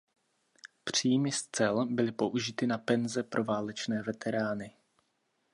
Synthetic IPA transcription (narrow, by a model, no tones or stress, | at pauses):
pr̝̥iːjmɪst͡sɛlbɪlɪpo̞ʔuʒɪt̪ɪnapɛnzɛpɾʔo̞vaːlɛt͡ʃnɛːvɛt̪ʰɛɾaːnɪ